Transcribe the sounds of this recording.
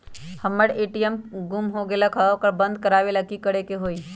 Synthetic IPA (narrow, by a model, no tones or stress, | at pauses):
həmːəɽeːʈijəmɡumɦoɡelakʰəokəɾbə̃nd̪̚kəɾaːʋeləkikəɽekeɦoːi